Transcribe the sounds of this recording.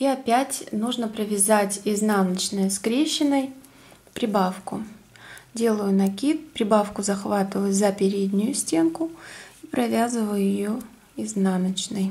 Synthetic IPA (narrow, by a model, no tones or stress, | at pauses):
iɐpʲætʲnuʐnəpɾəvʲɪzatʲɪznanət͡ɕnəjəskɾʲeɕːɪnəj | pɾʲɪbafkʊ | dʲe̞lˠəjʊnɐkʲipɾʲɪbafkʊzɐxvat̪ɨvəjzəpʲɪɾʲed̪ʲnʲʊjʊsʲtʲenkʊipɾɐvʲazɨvəjʊjɪjo | ɪznanət͡ɕnɨj